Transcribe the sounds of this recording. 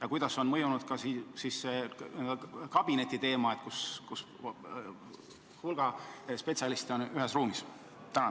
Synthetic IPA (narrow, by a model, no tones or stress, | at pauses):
jɑkujd̪ɑso̞nmɤjunud̪̥̚kɑsisisːe | kɑb̥ine̞t̪ʲːit̪e̞ːmɑet̪̚kuskus | hulɡ̥ɑspe̞t̪siɑlist̪eo̞nyɦesruːmis | t̪ænɑ